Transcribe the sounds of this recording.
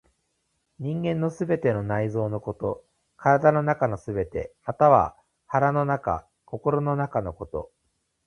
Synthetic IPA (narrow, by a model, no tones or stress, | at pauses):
ɲ̟ĩŋɡẽ̞nːo̞sɨbe̞t̪e̞no̞naizo̞ːno̞ko̞t̪o̞ | kʰaɾad̪ano̞nakano̞sɨbe̞t̪e̞̰mat̪aβ̞a̰ | haɾano̞naka̰ | ko̞ko̞ɾo̞no̞nakano̞ko̞t̪o̞̰